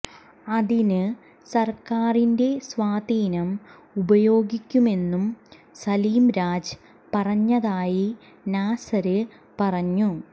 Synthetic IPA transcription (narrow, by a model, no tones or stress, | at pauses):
ɐðinɨ | sɐrkaːrinde̞sʋaːd̪iːnɐm | ubɐjo̞ːɡikʲːume̞nːum | sɐliːmɾaːd͡ʑɨ | pɐrɐɲːɐðaːji | naːsɐɾɨ | pɐrɐɲːu